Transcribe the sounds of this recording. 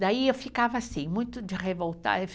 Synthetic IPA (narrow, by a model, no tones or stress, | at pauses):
d̪aiewfikavɐasĩmũj̃t̪ʊd͡ʒɪʁevowt̪a̰ef